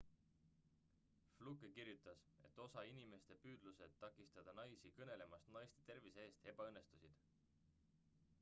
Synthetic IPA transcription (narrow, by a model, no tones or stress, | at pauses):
fluɡkirjut̪ːˑɑs | e̞t̪ːˑo̞sɑinime̞st̪e̞pyːd̪̥luse̞d̪̥̚t̪ːɑkːˑist̪ɑd̪̥ɑnɑjsikɤne̞le̞mɑst̪nɑjst̪et̪e̞rviseeːst̪e̞b̥ɑɤnːe̞st̪usid̪̥